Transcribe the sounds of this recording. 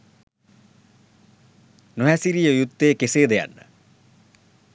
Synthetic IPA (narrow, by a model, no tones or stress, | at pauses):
noɦæsiɾijəjut̪ːejːkeseːd̪eja̰nːə̰